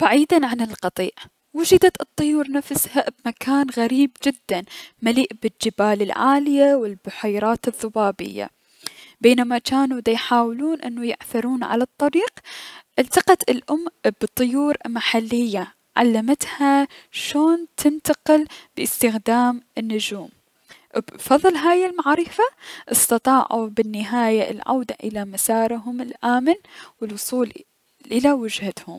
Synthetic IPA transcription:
b̥aʕiːd̪anʕanɪlqɑt̪ˤḭːʔ | wʊd͡ʒɪd̪at̪ɨt̪ˤːʊjuːɾˤnafshabmakʰaːnɣaɾiːbd͡ʒɪd̪ːanmaliːʔbɪld͡ʒɪbaːlɪlʕa̰ːlɪjawɪlbʊħajɾˤɑːt̪ɨðˤːʊbaːbɪ̰jːa̰ | beːnamat͡ʃaːnud̪ajħaːwluːnʔɪ̰nːujɪʕθɪɾuːnʕa̰lat̪ˤːɑɾiːqʔɪlt̪ɑqɑt̪ɪlʔʊmb̥ɨt̪ˤːɨjuːɾmaħalːɪjːa | ʕa̰lːamat̪haʃoːnt̪ʰɪnt̪aqɪlbɪɪst̪ɪxd̪aːmɪnːʊd͡ʒuːm | bfɑðˤɨlɦaːjɪlmaʕɾɪfaʔɨst̪ɑt̪ˤɑːʕṵbɪnːɪɦaːjaɪ̰lʕa̰wd̪aʔɪlamasaːɾˤɦʊmɪlʔaːmɪnwɪlwʊsˤuːl | ʔɪlawɪd͡ʒhat̪hʊ̰m

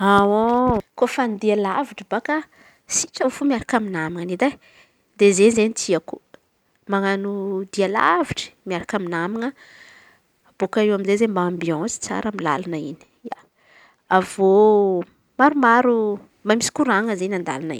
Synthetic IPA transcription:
awokofanid̪ialaviʈ͡ʂəbaka | siʈ͡ʂaufumiaɾakʲaminamiŋənid̪a | d̪ezezenit̪ʰiaku | maŋanud̪iala̰viʈ͡ʂə̥miaɾakʲaminamiŋə | b̥okaiwaminzezembaãmbiɑ̃si̥t͡sa̰ɾəmila̰lanaini̥ja̰ | avo | maɾumaɾu | mbamisi̥kuɾaŋəzenãnd̪a̰lanḭ

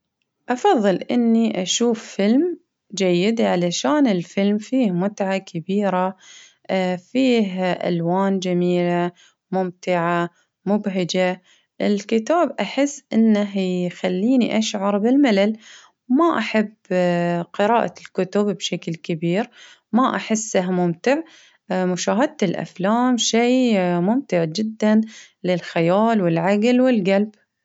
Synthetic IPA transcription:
ʔɑfɑðˤːɨlʔɪnːiʔaʃuːfːɪlm | d͡ʒajːɪd̪ʕalaʃaːnɪlfɪlmfiːhmʊt̪ʕakabiːɾa | fiːɦʔa̰lwaːnd͡ʒamiːla | mʊmt̪ɪʕa | mʊbɦɪd͡ʒa | ʔɪlkɪt̪aːbʔaħɪsːʔɪnːaɦxalːiːniʔaʃʕɑɾˤbɪlmalal | maʔaħabːqɪɾɑːʔalkʊt̪ʊbbʃaklkabiːɾ | maʔaħɪsːahmʊmt̪ɪʕ | mʊʃaːɦɪd̪̚t̪ɪlʔa̰flaːmʃiːmʊmt̪ɪʕd͡ʒɪd̪ːan | lɪlxajaːlwɪlʕaɡlwɪlɡalb

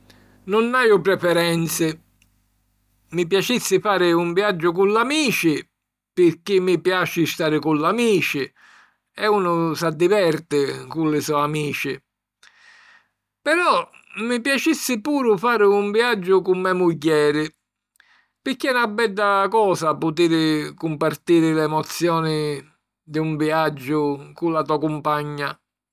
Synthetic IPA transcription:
nʊnːajʊpɾɛfɛɾɛnt̪sɪ | mip̬jat͡ʃisːɪfaːɾɪuɱviad͡ʒːʊk̬ullamiːt͡ʃɪ | pɪɾkːɪmːipjaːt͡ʃɪst̪aːɾɪkulːamiːt͡ʃɪ | ɛunʊsad̪ːivɛɾt̪ɪkulːɪsɔamiːt͡ʃɪ | pɛɾɔ | mipjat͡ʃisːɪpuːɾʊfaːɾɪuɱviad͡ʒːʊkumːɛmuɟːɛːɾɪ | pɪɾkːiɛnabːɛd̪ːakɔːsapʊt̪̬iːɾɪkumpart̪iːɾɪlɛmɔt̪sːjɔːnɪ | d̪iuɱviad͡ʒːʊkulːat̪uakumpaɲːa

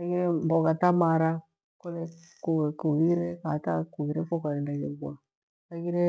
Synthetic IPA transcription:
aɣiɾɛmbɔkatamaɾa | kɔlɛ | kuɛkuɣiɾɛkatakuɣiɾɛfɔkaɾɛndaɡɛɡwa | aɣiɾɛ

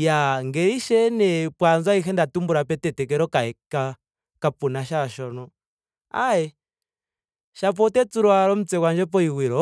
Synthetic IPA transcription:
jaŋɡɛiʃɛnɛpwanzwaixɛndatumbuɾapɛtɛtɛkɛɾɔkaɛka | kapunaʃaʃɔnɔ | a̰ɛ | ʃapɔtɛt͡suɾuaɾɔm̩t͡sɛkwand͡ʒɛpɔiwiɾɔ

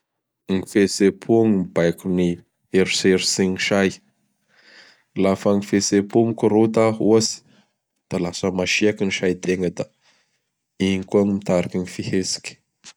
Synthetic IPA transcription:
ŋifesepʰuŋimib̥ajkuni | eɾuseɾusiniʃaj | lafaŋifesepumukuɾot̪aɦuasi̥ | d̪̥alasəmaʃiakiniʃajt̪eŋɡəd̪a | iikuaŋimit̪aɾikʲinifihesi̥kʲ

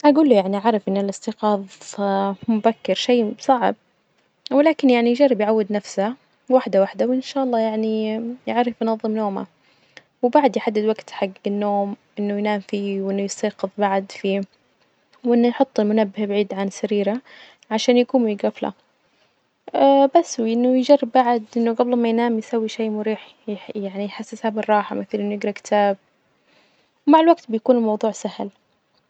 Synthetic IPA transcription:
ʔaɡuːlːujaʕniʔʕaɾˤɪfʔɪnːɪlʔɪst̪ɪqɑːðˤ | mʊbakːɪɾʃeːsˤɑʕ̰b̚ | wɪlaːkɪnjaʕnijd͡ʒɑrˤːɪbjʕawːɪd̪nafsa | waħd̪awaħd̪awʔɪnʃaːʔɑlːɑːjaʕnijaʕɾɪfjnɑðˤːɨmnoːma̰ | wɪbaʕd̪jħad̪ːɪd̪waɡt̪ħaɡːɪnːoːmʔɪnːʊjnaːmfiːwʔɪnːʊjɪst̪aːqɨðˤbaʕd̪fiː | wʔɪnːʊjħʊt̪ˤːɪlmʊnabːɪhbaʕiːd̪ʕansaɾiːɾa | ʕaʃaːnjakuːnmjɪɡafla̰ | abasːwʔɪnːʊjɪd͡ʒarˤːɪbbaʕd̪ʔɪnːʊɡablmajnaːmjsawːiʃeːmʊɾiːħ | jaʕnijħasːɪshabɪrˤːɑːħa̰mɪθalʔɪnːʊjɪɡɾˤɑkɪ̥t̪ʰaːb̚ | wmaʕɪlwaɡt̪bɪjakuːnɪlmɑwðˤuːʕsahl

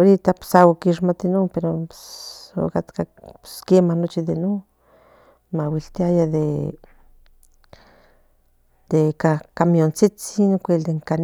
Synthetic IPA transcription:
oɾit̪apsawakiʃmat̪inompeɾo | o̰kat̪kaskemanot͡ʃiðeno | mawilt̪iajaðe | d̪̥ekakamijont͡sit͡sinkʷeld̪eŋkan

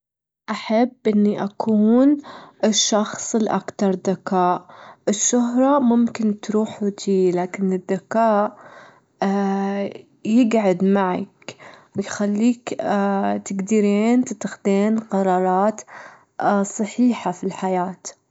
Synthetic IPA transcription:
ʔaħabːʔɪnːiʔakʰuːnɪʃːɑxsˤɪlʔa̰kt̪ɑɾˤd̪akaːʔʔɪʃːʊɦɾˤɑmʊmkɪnt̪ɾuːħut̪ʰiːlaːkɪnɪd̪ːakaːʔ | jɪɡʕad̪maʕa̰kjxalːiːk | t̪ɪɡd̪iɾeːnt̪ɪt̪ːaxd̪eːnqɑɾˤɑːɾˤɑːt̪ | sˤɑħiːħafilħajaːt̪

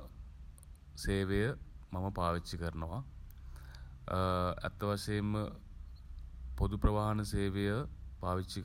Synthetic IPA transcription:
seːʋejəmɐmɐpaːʋit͡ʃːikɐɾɳɐʋa | ɛ̰t̪ːɐʋɐʂɐjɐm | pod̪uprɐʋaːɦɐnɐseːʋejəbaːʋit͡ʃːik

